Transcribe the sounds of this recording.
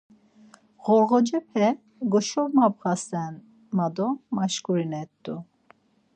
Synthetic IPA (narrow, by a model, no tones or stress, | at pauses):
ɣɔɾʁɔd͡ʒɛpʰɛ | ɡɔʃɔmab̚ʁasɛn | mad̪ɔmaʃkuɾinɛt̪ʼːu